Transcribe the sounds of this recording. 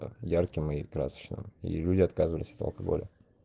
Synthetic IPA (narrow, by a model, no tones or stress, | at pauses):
jarkʲɪmɨkɾa̰sə̥t͡ɕnɨ̰mḭlʲudʲɪɐt̪kazɨvəlʲɪsʲɐ̥t̪ə̰lˠkɐɡo̞̰lʲɪ̰